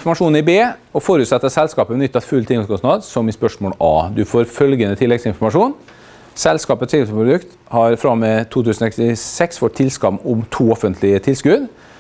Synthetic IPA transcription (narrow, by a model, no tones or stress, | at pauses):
fɔɾmɑʂuːnɪbeːɔfoːɾʉːt̪sɛt̪ːəsɛlskɑːpəmɛnʏt̪ːɑt̪fʉlt̪ʰɪŋskɔsnɑd̪sɔmɪspœʂmoːlɑːd̪ʉfoːɾfœlɡənət̪ʰɪlːɛɡsɪnfɔɾmɑʂuːn | sɛlskɑːpət̪sɪlsəpʰɾʊd̪ʉkt̪ | hɑɾfɾɑmːɛt̪ʰuːt̪ʰʉːsnɔsɛkst̪ɪsɛksfɔt̪t̪ʰːɪlskɑmʊmt̪ʰuːɔfənt̪ʰlɪət̪ʰɪlskʉd̪